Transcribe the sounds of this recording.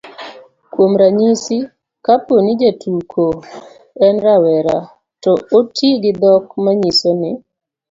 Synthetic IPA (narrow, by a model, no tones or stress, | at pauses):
kwomɾaɲisi | kaponɪd͡ʒetʰukʰo | ɛnɾawɛɾa | tɔotiɡɪd̪ɔk̚maɲisonɪ